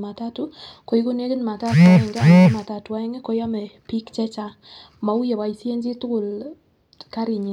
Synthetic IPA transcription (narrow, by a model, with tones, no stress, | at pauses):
ma˨ta˦tu˦ko˨i˦ku˦ne˦kɪ˦n˨ma˨ta˦tu˨a˨ɛ˨ŋɡɛ˦˨˦ma˨ta˨tu˨wa˨˦ɛ˦ŋɛ˦kɔ˨ja˦mɛ˨pi˦kt͡ʃɛ˦t͡ʃa˦ | ma˨u˦jɛ˨wa˨i˨sje˦ɲd͡ʒi˦tʊ˦kʊ˨l | ka˦ɾi˨ɲi˨